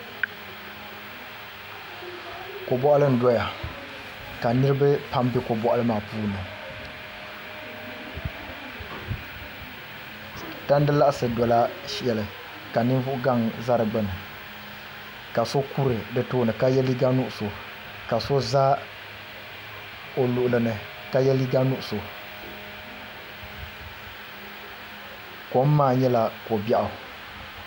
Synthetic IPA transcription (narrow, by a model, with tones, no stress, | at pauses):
ko˨bɔ˦ʔa˦lɨ˦n̩˨dɔ˦ja˨ | ka˨nɨ˦ɾɨ˦bɨ˦pa˦mbɪ˦ko˨bɔ˦ʔa˦lɨ˦maː˨puː˦nɨ˨ | ta˦n˦dɨ˦la˦ʔsɨ˨dɔ˨la˦ʃɛ˨lɨ˨ | ka˨nɨ˦nvʊ˦ʔʊ˦ɡa˦˨ŋza˦ɾɨ˨ɡ͡bɨ˦nɨ˨ | ka˨so˦ku˦ɾɨ˨dɨ˨toː˦nɨ˨ka˦jɛ˦li˦ɡa˦nʊ˦ʔʊ˨so˨ | ka˨so˦za˦ | o˨lʊ˨ʔʊ˨lɨ˨nɨ˨ | ka˦jɛ˦li˦ɡa˦nʊ˦ʔʊ˨so˨ | ko˨˦m˦maː˦˨ɲɛ˦la˨ko˨bɛ˦˨ʔa˨